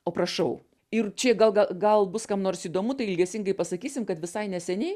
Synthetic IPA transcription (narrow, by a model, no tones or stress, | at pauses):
oːprɐʃɐʊ | ɪrt͡ʃʲɛɡɐlˠɡɐɡɐlˠbʊskɐmnoːrsiːd̪oːmut̪ɐɪɪlʲɡʲɛsʲɪŋɡɐɪpɐsɐkʲiːsʲɪmkɐt̪ʋʲɪsɐɪnʲɛsʲɛnʲɛɪ